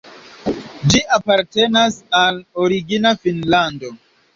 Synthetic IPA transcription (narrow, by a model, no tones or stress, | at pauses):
d͡ʒiʔapaɾte̞nasaloɾiɡinafinlando̞